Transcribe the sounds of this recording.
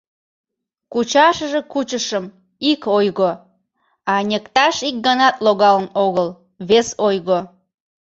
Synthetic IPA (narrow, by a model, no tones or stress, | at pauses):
kut͡ɕɑʃəʒekut͡ɕəʃəm | ikojɣo | ɑnʲekt̪ɑʃik̚ɡənɑt̪loɣɑlənoɣəl | βesojɣo